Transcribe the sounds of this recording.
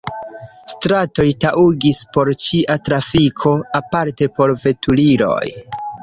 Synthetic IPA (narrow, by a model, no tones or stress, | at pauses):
stɾato̞jtaʔuɡispo̞ɾt͡ʃiʔatɾafikʰo̞apaɾte̞po̞ɾve̞tuliɾo̞̰j